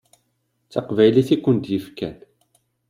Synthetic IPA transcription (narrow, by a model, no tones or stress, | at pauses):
t͡sːɑqvæjliθikʷːənt̪jəfkæ̰n